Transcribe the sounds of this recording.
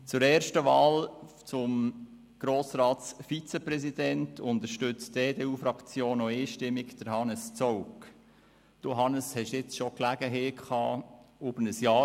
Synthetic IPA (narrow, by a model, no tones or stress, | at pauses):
t͡sʊɾɛːɾʃtəʋɑːl | t͡sʊm | ɡ̥ɾoːsɾɑːtt͡sfit͡səpɾɛsid̥ɛntʰʊnd̪əɾʃtʏt͡steːdeːuːfɾɑkt͡sjoːnoeːʃtɪmːɪkd̥əɾhɑnəst͡sɔʊk | d̥uɦɑnəshɛʃjɪt͡sʃoklæɡ̥əɦeːkʰχɑːubənəsjɑː